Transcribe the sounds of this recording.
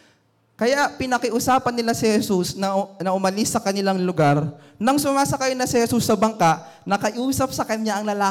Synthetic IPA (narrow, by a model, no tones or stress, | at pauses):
kɐjaʔpɪnɐkɪʔʊsaːpɐnːɪlasɪhɛsusnɐnɐʔʊmɐlɪsːɐkɐnɪlaŋlʊɡaɾ | nɐŋsʊmaːsɐkajnɐsɪhɛsusːɐbɐŋkaʔ | nɐkɐʔuːsɐp̚sɐkɐɲɲaʔɐŋlɐlaː